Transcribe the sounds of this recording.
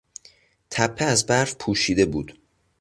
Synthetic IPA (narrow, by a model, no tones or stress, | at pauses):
t̪ʰæpʰːeæzbæɾfpʰuːʃiːd̪e̞buːd̪̥